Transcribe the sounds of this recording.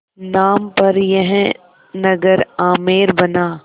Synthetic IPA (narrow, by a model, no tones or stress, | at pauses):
naːmpɐɾjɛɦɛ̃ | nɐɡəɾaːmeːɾbɐnaː